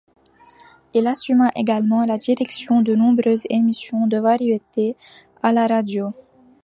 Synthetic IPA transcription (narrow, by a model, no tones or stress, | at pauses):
ilasymaʔeɡalmɑ̃lad̪iʁɛksjɔ̃d̪ənɔ̃bʁøzemisjɔ̃d̪əvaʁjet̪e | alaʁad̪jo